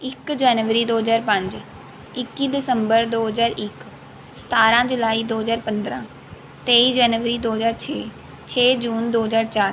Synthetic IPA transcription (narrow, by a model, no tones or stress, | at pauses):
ɪkd͡ʒaːnʋəɾid̪oːɦəzaːɾpɐ̃ɲd͡ʑ | ɪkːid̪ɪsə̃mbəɾd̪oːɦəzaːɾɪk | st̪ʰaːɾãd͡ʒʊlaːid̪oːɦəzaːɾpɐ̃nd̪ɾãː | t̪eːid͡ʒaːnʋəɾid̪oːɦəzaːɾt͡ʃʰeː | t͡ɕʰeːd͡ʒuːnd̪oːɦəzaːɾt͡ʃaːɾ